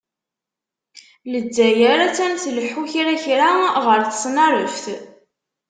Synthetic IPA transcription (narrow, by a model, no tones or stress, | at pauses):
lədːæjəɾæt͡sːænθləħuçɾaçɾaʁəɾθə̥sˤnɑɾˤəfθ